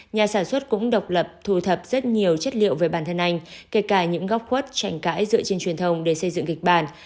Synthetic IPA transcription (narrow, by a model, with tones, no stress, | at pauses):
ɲaː˨˩saː˧˩nswə˦˥t̚kʊ̰˧˥ŋ͡mɗə˨˩wk͡p̚lə˨˩p̚t̪ʰu˧˩t̪ʰə˨˩p̚z̥ə˦˥t̚ɲi˨˩əwt͡ɕə˦˥t̚lḭ˧˨əwve˨˩ɓaː˧˩nt̪ʰə˧˩nʔa˧jŋ̟ke˧kaː˧˩ɲɨ̰˧˥ŋɣa˦˥p̚xwə˦˥t̚t͡ɕa˧˩jŋ̟ka̰ː˧˥jzɨ̰˧˨ət͡ɕe˧nt͡ɕwi˨˩ənt̪ʰə˧wŋ͡mɗe˧˩sə˧jzɨ̰˧˨ŋkï˨˩k̚ɓaː˧˩n